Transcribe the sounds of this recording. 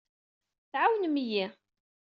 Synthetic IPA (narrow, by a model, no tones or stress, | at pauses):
θʕawənmiji